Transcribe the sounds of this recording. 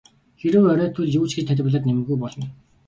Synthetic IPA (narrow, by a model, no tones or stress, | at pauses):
xeɾɘ̆wœɾœːt̪ʰɵɮjuːt͡ɕɡĕt͡ɕt̪ʰæt̪̬ʲɪ̆p̆ɮăt̪nemɘ̆ɣujpɔɮɞ̆n